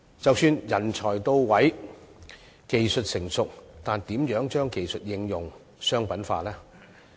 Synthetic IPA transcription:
t͡sɐ˨wsyː˧njɐ˨˩nt͡ʃʰɔː˨˩jt̪o˧wwɐ˨˥j | ke˨jsɵ˨t̚sɪ˨˩ŋsʊ˨k̚t̪aː˨nt̪iː˨˥mjœː˨˥ŋt͡ʃœː˥ŋke˨jsɵ˨t̚jɪ˧ŋjʊ˨ŋ | sœː˥ŋpɐ˨˥nfa̰ː˧lɛː˥

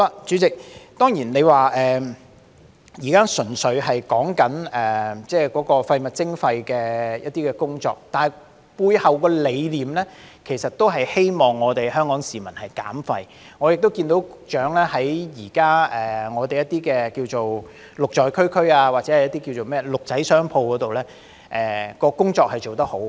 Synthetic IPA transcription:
a˧t͡ʃyː˨˥t͡sɪ˨k̚t̪ɔː˥ŋjiː˨˩nle˨˧jwaː˨ʔɛː˨ | jiː˨˩kaː˥sɵ˨˩nsɵ˨˧ɥhɐ˨jkɔː˨˥ŋkɐ˨˥nɛː˨˩t͡sɛː˥kɔː˨˥kɔː˧fɐ˧jmɐ˨t̚t͡sɪ˥ŋfɐ˧jkɛː˧jɐ˥t̚t̪iː˥kɛ˧kʊ˥ŋt͡sɔ̰ː˧k̚t̪aː˨nhɐ˨j | puː˧jhɐ˨wkɔː˧le˨˧jliː˨˩mlɛː˥kʰe˨˩sɐ˨t̚t̪o˥wɦɐ˨jhe˥jmɔː˨˩ŋːɔː˨˧t̪e˨jhœː˥ŋkɔː˨˥ŋsiː˨mɐ˨˩nhɐ˨jka̰ː˨˥mfɐ˧j | ŋɔ˨˧jɪ˨k̚t̪wkiː˧nt̪o˨˥wt͡ʃœː˨˥ŋlɛː˥hɐ˨˥jjiː˨˩kaː˥ɛː˨ŋɔː˨˧t̪e˨jɐ˥t̪̚iː˥kɛː˧kiː˧wt͡so˨w | lʊ˨k̚t͡ʃɔː˨jkʰɵ˥ɥkʰɵ˥aː˧waː˨t̚t͡sɛ˨˦hɐ˨jɐ˥t̪iː˥kiː˧wt͡so˨wmɛː˥lʊ˨k̚t͡sɐ˨˥jsœː˥ŋpʰo˧wkɔː˨˥t̪o˨wlɛː˥ | ʔɛː˨˩kɔː˧kʊ˥ŋt͡sɔː˧k̚hɐ˨jt͡ʃo˨wt̪ɐ˥k̚ho˨˥w

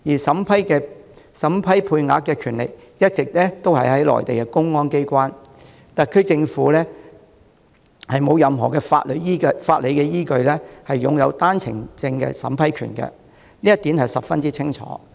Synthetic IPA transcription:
jiː˨˩sɐ˨˥mpʰɐ˥jkɛː˧ | sɐ˨˥mpʰɐ˥jpʰuː˧jŋa̰ː˨˥t̚kːɛː˧kʰyː˨˩nlɪ̰˨k̚ | jɐ˥t̚t͡sɪ˨k̚lɛː˥t̪o˥whɐ˨jhɐ˨˥jlɔ̰ː˨˩jt̪e˨jkɛ˧kʊ˥ŋŋɔː˥nke˥jkʷaː˥n | t̪aː˨kʰɵ˨˧t͡sɪ˧ŋfuː˨˥lɛː˥ | hɐ˨jmo˨˧wjɐ˨mɦɔː˨˩kɛː˧fa̰ː˧t̚lɵ˨˧iː˥kfaː˧t̚le˨˧jkɛː˧jiː˥kɵ˧ɥlɛː˥hɐ˨jːʊ˨ŋjɐ˨˧wt̪aː˥nt͡sʰɪ̰˨˩ŋt͡sɪ˧ŋkɛ̰ː˧sɐ̰˨˥mpʰɐ˥jkʰy̰ː˨˩nkɛ̰˧ | niː˥jɐ˥t̪iː˨˥nhɐ˨˩jsɐ˨p̚fɐ˥nt͡siː˥t͡sʰɪ˥ŋt͡ʃʰɔ̰ː˨˦

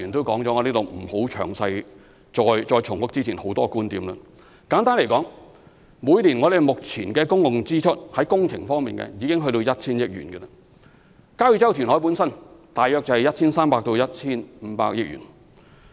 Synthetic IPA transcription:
yː˨˩nt̪o˥wkɔː˨˥ŋt͡sɔː˨˥ŋɔ˨˧niː˥t̪o˨wm̩˨˩ho˨˥wt͡ʃʰœ̰ː˨˩ŋsɐ˧j | t͡sɔː˧jt͡ʃɔː˧jt͡sʰʊ˨˩ŋfʊ˥k̚t͡si˥t͡sʰiː˨˩nho˨˥wt̪ɔː˥kuː˥nt̪iː˨˥mlə˧˩ | kaː˨˥nt̪aː˥nle˨˩kɔː˨˥ŋ | muː˨˧˥jliː˨˩nŋɔ˨˧d̪e˨˩jmʊ˨k̚t͡sʰiː˨˩nkɛː˧kʊ˥ŋkʊ˨ŋt͡siː˥t͡ʃʰɵ˥t̚hɐ˨˥jkʊ˥ŋt͡sʰɪ˨˩ŋfɔː˥ŋmiː˨nkɛ̰˧jiː˨˧kɪ˥ŋɦɵ˧t̪o˧wjɐ˥t̚t͡ʃʰiː˥njɪ˥k̚jy̰ː˨˩nkɛ˧lɐ˧ | kaː˥wjy˨t͡sɐ˥wt̪ʰyː˨˩nhɔː˨˥jp̬uː˨˥nsɐ˥nt̪aː˨jœː˧k̚t͡sɐ˨˧hɐ˨˩jɐ˥t̚t͡ʃʰiː˥nsaː˥mpaː˧k̚t̪o˧wjɐ˥t̚t͡ɕʰiː˥nm̩˨˧˥pa̰ː˧k̚jɪ˥k̚jy̰˨˩n

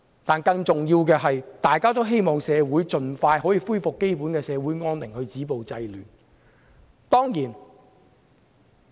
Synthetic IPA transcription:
t̪aː˨nkɐ˧ŋt͡sʊ˨ŋjiː˧wk̬ɛː˧ɦɐ˨jt̪aː˨jkaː˥t̪o˥wɦe˥jmɔː˨˩ŋsɛː˨˧wuː˨˥jt͡sɵ˨˧nfaː˧jɦɔː˨˥jiː˨fu˥jfʊ˨kːe˥jpuː˨˥nkɛː˧sɛː˨˧wuː˨˥jŋɔː˥nlɪ˨˩ŋhɵ˧t͡siː˨˥po˨wt͡sɐ˧jlyː˨˩n | t̪ɔː˥ŋjiː˨˩n

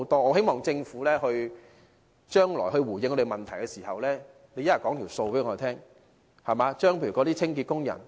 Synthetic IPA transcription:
wt̪ɔː˥ŋɔː˨˧ɦe˥jmɔː˨˩ŋt͡sɪ˧ŋfuː˨˥lɛː˥hɵ˧ɥ | t͡ʃœː˥ŋlɔ̰ː˨˩jɦɵ˧ɥwuː˨˩jɪ˧ŋɔ˧t̪e˨˩mɐ˨˩nt̪ʰɐ˨˩jkɛ˧siː˨˩hɐ˨wlɛː˥ | ne˨˧jɐ˥jɐ˨˩kɔː˨˥ŋt̪ʰi˨˩so˧wpe˨˥ɔː˨˧e˨˩t̪ʰɛː˥ŋ | hɐ˨˩maː˨˧t͡ʃœː˥ŋpʰe˧jy˨˩kɔː˨˧˥t̪iː˥t͡sʰɪ˥ŋki˧t̚kʊ˥ŋjɐ̰˨˩n

